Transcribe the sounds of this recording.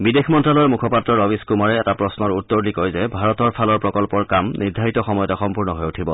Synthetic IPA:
bidexʰmɔntɹalɔɹmukʰɔpatɹɔɹɔbiskumaɹɛɛtapɹɔsnɔɹutːɔɹlikɔjzɛbʱaɹɔtɔɹpʰalɔɹpɹɔkɔlpɔɹkamniɹdʱaɹitɔxɔmɔjɔtaxɔmpuɹnɔɦɔjutʰibɔ

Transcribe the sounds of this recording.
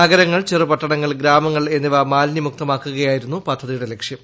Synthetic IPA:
aɡɐɾɐŋːɐɭt͡ɕerɨpɐʈːɐɳɐŋːɐɭɡɾaːmɐŋːɐɭe̞nːiʋɐmaːlnimuk̚t̪ɐmaːkːuɣɐjaːjiɾunːupɐd̪ʱːɐðijuɽelekʂjɐm

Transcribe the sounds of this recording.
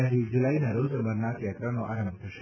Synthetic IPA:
atid͡ʒulainaɾod͡ʒəmbəɾnat̪jat̪ɾanoʔaɾəmbʱt̪ʰəʃe

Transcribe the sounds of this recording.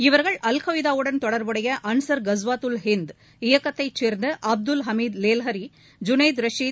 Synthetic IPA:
ɪʋɐɾɣɐɭʔɐlkɐʋɪðaːʋɯɽɐnt̪ɔɽɐɾbɯɽɐjɐʔɐnsɐɾɡɐzʋaːt̪ɯlɦɪnd̪ | ɪjɐkːɐt̪ːɐɪt͡ʃːeːɾnd̪ɐʔɐb̚d̪ʊlɦɐmiːd̪leːlɦɐɾi | d͡ʒʊnɐɪd̪ɾɐʂiː

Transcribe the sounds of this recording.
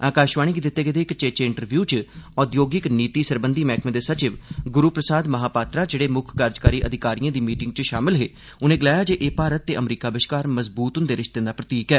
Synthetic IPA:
aːkaːʃʋaːɽ̃iːɡiːd̪ɪt̪ːeːɡed̪eːkt͡ʃeːt͡ʃeːɪɳʈəɾʋjuːt͡ʃɔːd̪joːɡɪkniːt̪iːsəɾbənd̪iːmɛːkʰmẽːd̪eːsət͡ʃɪʋɡʊɾuːpɾəsaːd̪məɦaːpaːt̪ɾaːd͡ʒeːɽeːmʊkʰɡaːɾd͡ʒkaːɾiːʔəd̪ʱɪkaːɾijãːd̪iːmiːʈɪŋɡ̚t͡ʃʃaːmɪlɦeː | ʊnẽːɡɪlaːjaːd͡ʒeːʔeːpaːɾət̪ːeːʔəmɾiːkaːbɪʃkaːɾməzbuːt̪ɦʊnd̪eːɾɪʃt̪ẽːd̪aːpɾət̪iːkɛː

